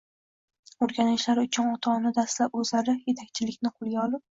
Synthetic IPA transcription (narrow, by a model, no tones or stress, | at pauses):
oɾɡʲanɪʃlaɾʊt͡ʃʰʊnɒt̪ʰɒnɪd̪aslapɵzlaɾɪje̞t̪ʰakʲt͡ʃʰɪlɪkʲnɪqʰʊlˠɡʲaɒlˠɪp̚